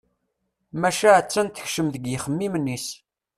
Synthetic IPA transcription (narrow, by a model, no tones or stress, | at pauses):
mæʃaʕət͡sːænt̪ːə̥çʃəmðəɡjəχəmːimənːis